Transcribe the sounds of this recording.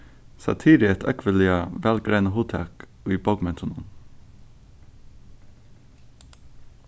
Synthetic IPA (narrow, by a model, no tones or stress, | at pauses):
sɑ̰t̪ʰiːɾɪɛt̪ʰœkʰʋəlɪəʋælɡɾæɪnəhuːt̪ʰɑ̰kː | iːbɔɡmɛt̪ʰʊnṵːm